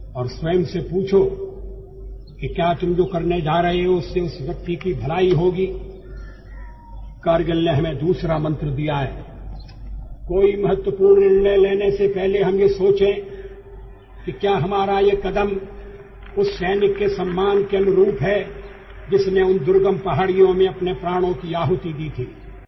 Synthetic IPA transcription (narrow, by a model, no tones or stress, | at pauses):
ɔːɾswɐːmsepuːt͡ʃʰo | kikjaːt̪ʊmd͡ʒoːkɐɾned͡ʒaːɾɐɦeɦɛʊsːeʊsʋjɐk̚t̪ikibʱɐlaːiɦoːɡiː | kaːɾɡəlneɦɐmẽd̪uːsɾamɐ̃nt̪ɾəd̪ijaɦɛː | koːimɐɦət̪wəpuːɾnɪɳleleːnesepɛɦleɦɐmjesoːt͡ʃẽ | kikjaːɦɐmaːɾajekɐd̪əm | ʊsːɛːnɪkːesɐmːaːnkeɐnʊɾuːpɦɛː | d͡ʒɪsneʊnd̪ʊɾɡəmpɐɦaːɽijõmẽɐpnepɾaːɽ̃õkiaːɦʊt̪id̪iːt̪ʰiː